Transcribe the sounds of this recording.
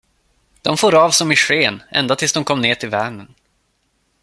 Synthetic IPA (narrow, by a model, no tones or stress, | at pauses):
d̪̥ɔmfoːɾɑːvsɔmɪʂeːnʔɛ̰nd̪at̪ʰɪlsd̪ɔmkʰɔmːneːʈʰɪlvæːmən